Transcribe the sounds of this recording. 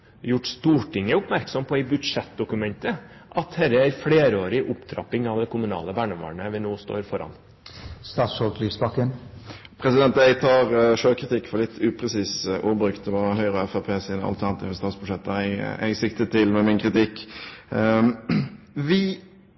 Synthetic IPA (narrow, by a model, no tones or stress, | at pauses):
jʊʈst̪uːʈʰɪŋːəʊpmæɾksɔmpʰɔæɪbʉd̪ʂɛt̪̚d̪ʊkʉmɛnt̪əʔɑt̪hɛɾəæɪɾfɽeːɾəoːɾɪʔʊpt̪ʰɾɑ̰pɪŋɑʋd̪ɛkʰʊmʉnɑ̰ːləbæːɳəʋɑ̰ːɳəʋɛnoːst̪o̰ːɾfɔɾɑ̰n | st̪ɑːt̪sfɔlkliːfsbɑkən | pʰɾɛsɪd̪ɛnt̪̚d̪æɪt̪ʰɑːʁʂøːkʰɾɪt̪ʰɪkːfɔlɪt̪ːʉːpʰɾɛsiːsʔuːbɾʉkt̪ʋɑhœʏʁɔɛfɛpʰeːsɪnɑ̰lt̪ʰæʁnɑt̪ʰɪfəst̪ɑːt̪sb̥ʉʂɛt̪ːɛæ̰ɪɡsɪkt̪ət̪ʰɪlmɛmɪnkʰʁɪt̪ɪkː | ʋɪ